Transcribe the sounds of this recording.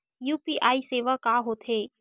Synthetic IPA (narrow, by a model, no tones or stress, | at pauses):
juːpiʔaːiseːʋakaːɦoːt̪ʰɦeː